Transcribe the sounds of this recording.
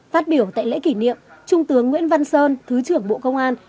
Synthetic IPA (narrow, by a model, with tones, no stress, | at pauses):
faː˦˥t̚ɓi˧˩əwt̪a̰ː˧˨jlḛ˧˥ki˧˩nḭ˧˨əmt͡ɕʊ˧ŋ͡mt̪ɨ˨˦əŋːwḭ˧˥ənva˧nsəː˧nt̪ʰɨ˨˦t͡ɕɨ˧˩əŋɓo̰˧˨kə˧wŋ͡mʔaː˧n